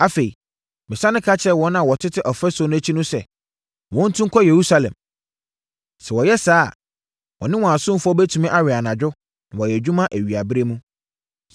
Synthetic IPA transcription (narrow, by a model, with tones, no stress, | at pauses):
a˨fe˨i˨ | mɪ̃˨sã˦nɪ̃˦kʰa˦t͡ɕʰɛ˦wɔ̃˦nã˨wɔ˨tʰɪ˦tʰɪ˦ʔɔ˨fɛ˦so˦nʊ̃˦æ˦t͡ɕʰi˦nʊ̃˦sɛ̰˨ | wɔ̃˦n̩˦tʰũ˦ŋ˦kʰɔ˦je˨ɾu˦sa˨lɛ̰̃˨m | sɛ˨wɔ˨jɛ˦saː˦˨ | wɔ̰̃˨nɪ̃˦wɔ̃˨a˨sʊ̃˦m˦fʊ˦ɔ˦bæ˦tʰũ˨mĩ˦ʔa˨ɥɪ˨a˨nã˨d͡ʑᶣʊ˦ | nã˨wɔ˨jɛ˨d͡ʑᶣũ˦mã˦ʔæ˨ɥi˨a˨bɪ˦ɾe˦mũ˦